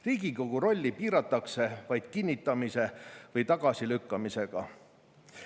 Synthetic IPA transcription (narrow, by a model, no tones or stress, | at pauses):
riːɡ̥iko̞ɡ̥uɾo̞lʲːipiːɾɑt̪ːˑɑkse̞vɑjd̪̥̚kinʲːit̪ˑːɑmise̞vɤjt̪ɑɡ̥ɑsilykːɑmise̞ɡ̥ɑ